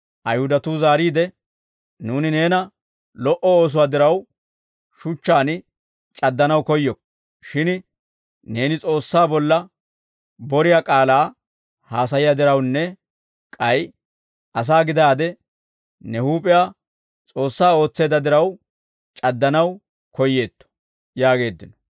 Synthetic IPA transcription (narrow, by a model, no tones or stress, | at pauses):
ʔɐjhʊd̪ɐt̪uzaːɾiːd̪ɛ | nuːnɪne̞ːnɐ | lɔʔɔo̞ːs̬ʊwaːd̪ɪɾɐw | ʃʊt͡ʃːaːn | t͡ʃʼɐd̪ːɐnɐwkɔjːɔk | ʃɪn | ne̞ːnɪt͡sʼo̞ːsːaːbɔlːɐ | bɔɾɪjaːkʼaːlaː | haːs̬ɐjɪjad̪ɪɾɐwnːɛ | kʼɐj | ɐs̬aːɡɪd̪aːd̪ɛ | nɛhuːpʼɪjaː | t͡sʼo̞ːsːaːo̞ːt͡sːe̞ːd̪ɐd̪ɪɾɐw | t͡ʃʼɐd̪ːɐnɐw | kɔjːe̞ːt̪ːɔ̥ | jaːɡe̞ːd̪ːɪnɔ̥